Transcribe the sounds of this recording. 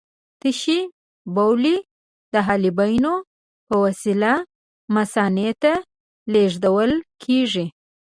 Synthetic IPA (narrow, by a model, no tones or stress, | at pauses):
t̪əʃi | bawli | d̪əɦɑlibajno | pəwasila | masɑnet̪a | leʐd̪awəlkʰeʐi